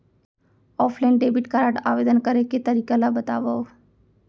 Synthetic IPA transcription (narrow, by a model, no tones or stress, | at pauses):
ɔːpʰlaɪnɖeːbiʈkaɾaːʈaːʋeːd̪ənkəɾeket̪əɾiːkalabət̪a̰ːʋao